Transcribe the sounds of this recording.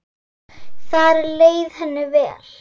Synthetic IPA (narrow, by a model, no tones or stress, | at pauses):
θaɾɛɾleːjðhɛnːʏvɛ̰ːl̥